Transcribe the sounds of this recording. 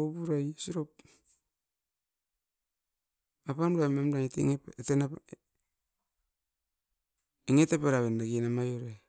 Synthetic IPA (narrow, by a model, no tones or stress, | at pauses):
obuɾajsiɾop | apanbuamemdaŋeteŋtena | iŋetepeɾaβendaɡinamajoɾe